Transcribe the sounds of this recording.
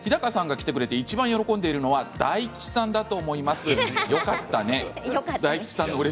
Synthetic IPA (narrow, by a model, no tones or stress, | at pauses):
çid̪akasãŋɡakʲi̥t̪e̞kɯ̟ɾe̞t̪e̞it͡ɕibãɰ̃jo̞ɾo̞kõ̞nd̪e̞iɾɯ̟no̞βad̪aikʲi̥sãnd̪at̪o̞ːmo̞imasɨjo̞kat̪ːane̞d̪aii̥sãnːoɯɾe